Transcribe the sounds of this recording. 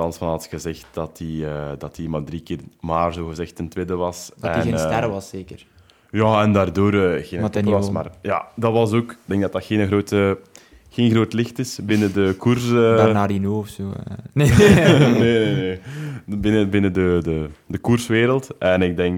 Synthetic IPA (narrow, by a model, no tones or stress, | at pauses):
ɑnsfɑnɑtxəzɪxt̚d̥ɑtiədɑtimadrikɪːrmaːrzoːɣəzɛxtːəntʋeːdəʋɑsɛinːtɛɾəʋɑseːkər | jaːɛndaːrdoːɾəːɣeːnəkɑsma̰ːrja̰ːdɑtʋɑs̬oːkɪɡ̚dɛŋɡdɑtɑtxeːnəɣroːtə | xeːnɣroːtlɪxtɪsbɪnədəkursanaɾinoːɔfsoːn | nenene | bɪnəbɪnədədədəkursʋeːɾəlˠtɛnɪɡ̚dɛŋk